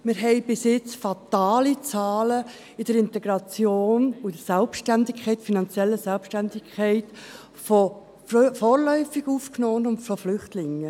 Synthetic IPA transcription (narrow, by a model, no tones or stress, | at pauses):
mɪɾɦɛɪbɪsɪt͡sfɑt̪aːlit͡sɑːlə | ɪd̥əɾɪntɛɡɾɑt͡sjoːnuɪd̥əsɛlpʃtændɪkʰχɛɪtfinɑnt͡sjɛlːəsɛlpʃtændɪkʰχɛɪt | fɔ | fɔːɾlœʏfiɡuːfknoːnʊntfɔflʏχtlɪŋːə